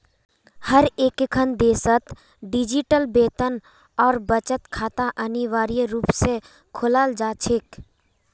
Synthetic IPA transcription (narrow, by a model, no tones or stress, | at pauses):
həɾeːkkʰənd̪eːsət̪ | ɖɪd͡ʒiʈəlbeːt̪ən | ɔːɾbət͡ʃət̪kʰaːt̪aʔəniʋaːɾijɾuːpse | kʰʊlaːld͡ʒaːt͡ʃʰɪk